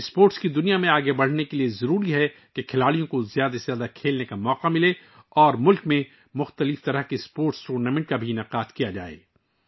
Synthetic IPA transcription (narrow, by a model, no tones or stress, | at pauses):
spoːɾʈskid̪ʊnijamẽaːɡebɐɽ̤nekeliezɐɾuːɾiɦɛ | kekʰɪlaːlijõkozjaːd̪azjaːd̪akʰeːlnekamɔːqamɪle | ɔːɾmʊlkmẽ | mʊxt̪əlɪft̪ɐɾəɦkespoːɾʈsʈuːɾnamɛ̃ɳʈ̚kabʱinaqaːt̪kijad͡ʒaːḛː